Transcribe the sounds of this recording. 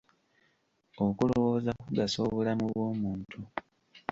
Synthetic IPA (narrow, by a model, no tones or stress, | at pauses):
o̞kulo̞wo̞ːzakkuɡasoβulamuβwo̞ːmuːntʰu